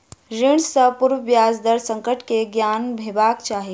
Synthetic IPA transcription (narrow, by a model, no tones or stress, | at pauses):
ɾiɳsəpuɾʋəbjazd̪əɾsə̃ŋkəʈkeɡjanbʱebakt͡ʃaɦi